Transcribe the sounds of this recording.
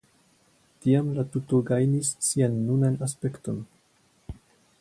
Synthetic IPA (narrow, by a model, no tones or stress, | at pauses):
tiamlatutoɡajnissianːunanaspe̞kto̞n